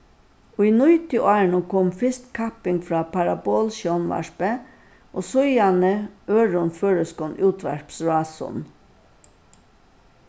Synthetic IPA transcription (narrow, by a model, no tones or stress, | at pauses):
ʊjnʊjt̪ɪʔɑːnʊkʰɔmfɪst̪kʰɑpɪŋɡfɾɑːpaɾaboːlʃjɔnʋɑ̰ʂpə | ʔoːsʊjanəøːɹʊnføːɹəskɔnʔuːt̪ʰʋæ̰ɹpsɹɑːsʊ̰n